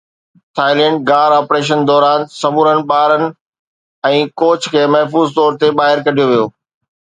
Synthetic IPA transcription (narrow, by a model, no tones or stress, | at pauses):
t̪ʰaːɪlɛ̃ːɳʈ̚ɡaːɾaːpɾeːʃ̬ənd̪ɔːɾaːnsɐmuːɾənɪ̆ɓaːɾənɪ̆ | ɛ̃ːkoːt͡ɕʰkʰeːmɐɦfuːzt̪ɔːɾt̪eɓaːɦɪɾkɐɖʱijoʋijoː